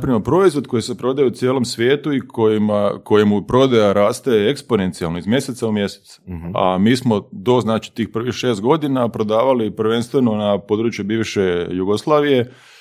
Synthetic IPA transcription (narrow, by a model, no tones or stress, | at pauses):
pɾimopɾo̞izʋo̞d̪̚ko̞jise̞pɾo̞d̪ajeut̪sʲjeːlo̞msʋje̞ːt̪uikʰojimako̞jimupɾo̞d̪ajaɾaːst̪ajeeekspo̞ne̞nt̪sialˠnoizmje̞se̞t̪saumje̞se̥t̪sa̰miːsmo̞d̪o̞znaːt͡ʃi̥t̪iːxpr̩ʋixʃe̞ːst̪̚ɡo̞d̪inapɾo̞d̪aːʋalipɾ̩ʋe̞nst̪ʋeno̞napo̞d̪ɾuːt͡ʃjubiːʋʃe̞juɡo̞slˠaːʋije̞